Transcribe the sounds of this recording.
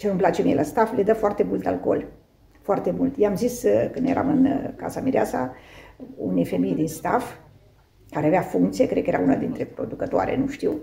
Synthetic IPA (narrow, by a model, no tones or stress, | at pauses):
t͡ʃenumplat͡ʃe̞mielast̪afled̪əfoart̪e̞mult̪a̰lko̞̰l | foart̪e̞mult̪jeamziskɨnje̞̰ɾa̰mɨnka̰samiɾiasa̰ | ṵnejfe̞mejd̪inst̪af | kaɾeaveafuŋkt̪sije̞kɾe̞d̪kəjeɾa̰unad̪int̪ɾe̞pɾo̞d̪ukət̪oa̰ɾḛnuʃt̪iw